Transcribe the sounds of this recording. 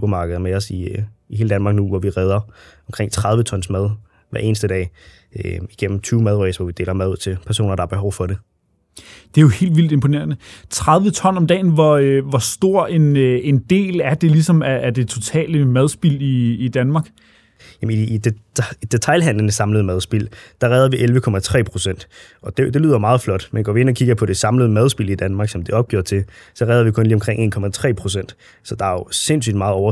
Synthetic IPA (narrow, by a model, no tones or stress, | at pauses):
sub̥ɐmɑ̈ːɡ̥əðˠɐmeɒsiihe̝ːləd̥ænmɑ̈ːɡ̥nuʋɒʋiʁɛð̞ˠɐɒmkʰʁeŋ̰t͡sʰʁɑ̈ð̞ˠʋət͡sʰɒ̽n̰smæð̞ˠ | ʋæɐʔe̝ːnəsd̥əd̥ɛ̰ːɪ | iɡ̥en̰m̩t͡sʰyːʊmæð̞ˠʁœsʋɒʋid̥e̝ːlɐmæðˠuð̰ˠt͡sʰe̝lpʰæɐs̬o̝̰ːnɐɾ̥ɑ̈ɐb̥e̝ɦɒʊfɒ̽ɾe̝ | d̥e̝æjo̝he̝̰ːld̥ʋild̥e̝mpʰo̝ne̝̰ːɐnət͡sʰʁɑ̈ð̞ˠʋət͡sʰɒ̽nɒ̽md̥ɛ̰ːnʋɒʋɒsd̥o̝ɐ̰e̝nend̥e̝̰ːlæɐd̥e̝lisɒ̽mæʔːd̥e̝t͡sʰo̝t͡sʰɛ̰ːləmæð̞ˠsb̥iliːd̥ænmɑ̈ːɡ̥ | jæmniid̥ed̥e̝t͡sʰɑ̈ɪlɦæn̰lənəsɑ̈mləð̩ˠmæð̞ˠsb̥il̰d̥ɑ̈ʁɛːðˠɐʋiʔelʋəkʰɒ̽mæt͡sʰʁɛ̰ːpʰʁo̝sen̰d̥ɒ̽d̥ed̥e̝lyːðˠomɑ̈ːð̩ˠflɒ̽d̥menɡ̥ɒ̰ːʋie̝nɒ̽kʰiɡ̥ɐpʰɒ̽d̥e̝sɑ̈mləð̞ˠmæð̞ˠsb̥ilid̥ænmɑ̈ːɡ̥sɒ̽md̥e̝ɒ̽b̥̚ɡ̥jo̰ɐ̰t͡sʰe̝sɒ̽ʁɛːðˠɐʋikʰɔ̽nliːɒ̽mkʰʁeŋ̰e̝̰ːnkʰɒ̽mæt͡sʰʁɛ̰ːpʰʁo̝sen̰d̥ | sɒ̽d̥ɑ̈æjose̝n̰sy̰ːd̥mɑ̈ːð̩ˠɒʊɐ